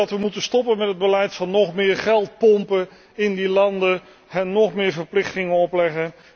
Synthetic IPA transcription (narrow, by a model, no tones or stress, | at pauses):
ɑtʋəmutənstɔpənmɛtɦəd̚bəlɛjtfɑnːɔχmɪːɹχɛlˠt̚pɔmpə | ɪndilɑndə | ɦɛnːɔχmɪːɹvəɹplɪχtɪŋənɔplɛχən